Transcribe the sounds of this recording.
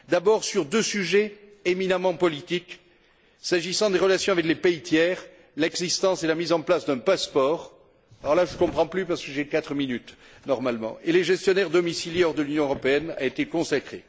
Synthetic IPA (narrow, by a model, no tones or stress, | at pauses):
d̪abɔʁsyʁd̪øsyʒeeminamɑ̃pɔlit̪ik | saʒisɑ̃d̪eʁəlasjɔ̃avɛklepeit̪jɛʁ | lɛɡzist̪ɑ̃selamizɑ̃plasd̪ɛ̃paspɔʁ | ɔʁlaʒəkɔ̃pχɑ̃plypaʁsə̥kəʒɛkat̪χəminyt̪ | nɔʁmalmɑ̰̃ʔeleʒɛst̪jɔnɛʁd̪ɔmisiljeɔʁd̪əlynjɔ̃ʁɔpeɛna̰et̪ekɔ̃sakχe